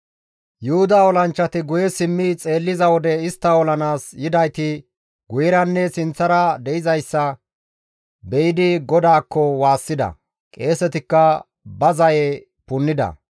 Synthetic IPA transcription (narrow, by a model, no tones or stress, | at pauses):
jʊhʊd̪aːɔlɐnt͡ʃːɐt̪ɪɡʊjɛsɪmːɪt͡sʼe̞ːlːɪzɐwɔd̪ɛɪst̪ːɐɔlɐnaːsjɪd̪ɐjt̪ɪ | ɡʊjɪɾɐnːɛsɪnt͡sːɐɾɐd̪ɛɪzɐjsːɐ | bɛjɪd̪ɪɡɔd̪aːkːɔwaːsːɪd̪ɐ̰ | kʼe̞ːsɛt̪ɪkːɐ | bɐzɐjɛ | pʊnːɪd̪ɐ̰